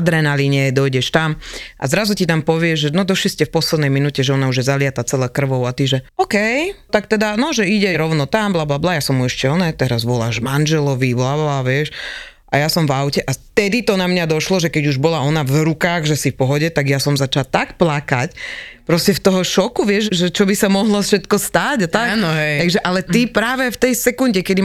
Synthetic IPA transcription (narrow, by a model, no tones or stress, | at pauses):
d̪ɾɛnaliɲɛd̪ɔjɟɛʃt̪amʔa̰zɾazucit̪ampɔʋɪɛʒʒɛnɔd̪ɔʃliscɛfpɔslɛd̪nɛjminucɛʒɛɔnauʒjɛzalɪat̪at͡sɛlɛkr̩ʋɔʊat̪iʒɛɔkɛjt̪ak̚t̪ɛd̪anɔʒɛiɟɛɾɔʊnɔt̪amblablablajasɔmuɛʃcɛɔnɛt̪ɛɾazʋɔla̰ːʒmand͡ʒɛlɔʋiblabblaʋɪɛʃ | ʔa̰jasɔmvaʊcɛʔaft̪ɛd̪it̪ɔnamɲad̪ɔʃlɔʒɛkɛɟuʒbɔlaɔnavɾukaːɣʒɛsifpɔɦɔɟɛt̪aɡjasɔmzat͡ʃalt̪akplakacpɾɔscɛft̪ɔɦɔʃɔkuʋɪɛʒʒɛt͡ʃɔbisamɔɦlɔfʃɛt̪kɔst̪aɟat̪akːnɦɛt̪aɡʒɛʔalɛt̪ipɾaːʋɛft̪ɛjsɛkunɟɛkɛd̪i